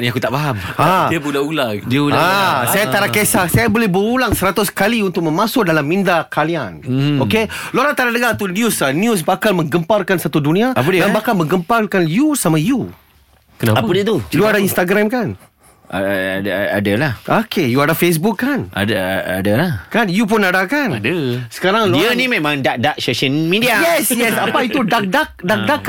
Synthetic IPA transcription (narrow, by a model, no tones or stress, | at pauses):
niakut̪aʔbaɦamadiəbulaulaŋdiəudaasajat̪aɾakesasajabolɛhbəɾulaŋsəɾat̪ʊskaliunt̪ʊk̚mə̃masʊʔ̚dalamːindakalianokeloɾat̪aɾanəɡat̪unjusanjus̬bakalmə̃ŋɡəmparkansat̪udunĩaapddanbakalmə̃ŋɡəmparkanjusamãju | kənapaadiət̪ujuadainst̪aɡɾamkan | a̰a̰da̰dəlahʔokʰejuadafes̬bukːana̰dəa̰dalakanjup̬unadakanadəsə̥kaɾaŋloiənimẽmãŋdaʔ̚daʔ̚soʃəlmidiajɛsjɛsapait̪udak̚dak̚dak̚dak